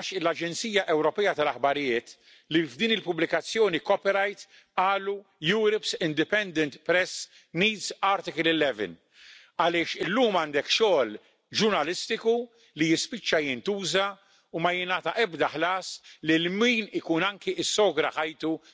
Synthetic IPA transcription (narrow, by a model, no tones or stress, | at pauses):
ʃɪlɐd͡ʒɛnt͡siːjɐʔɛwɾɔpɛjɐt̪ɐlɐħbɐɾɪjɪːt̪ | livd̪iːnɪlpʊblɪkɐt͡sːjɔːnikɔpiɾɐjt̪ | ɐːlujuːɾɔpsɪnd̪ɪpɛnd̪ɛnt̪pɾɛs | niːd̪zɐːɾt̪ɪkɪlɪlɛvɛ̰n | ɐlɪːʃɪlːuːmɐːnd̪ɛkʃɔːl | d͡ʒʊɾnɐlɪst̪ɪku | lijɪspɪt͡ʃːɐjɪnt̪uːzɐ | umɐjɪnɐːt̪ɐʔɛbd̪ɐħlɐːslɪlmiːnɪkuːnɐŋkiʔɪsːɔːɡɾɐħɐjt̪u